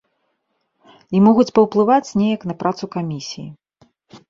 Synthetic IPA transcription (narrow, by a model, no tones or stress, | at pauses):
imɔɣut͡sʲpɐwplˠɨvat͡sʲnʲejɐknɐpɾat̪sukamʲisʲiji